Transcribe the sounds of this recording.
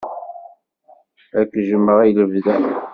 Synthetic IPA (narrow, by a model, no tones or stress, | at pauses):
ækːʒəmːəʁæjləvðæ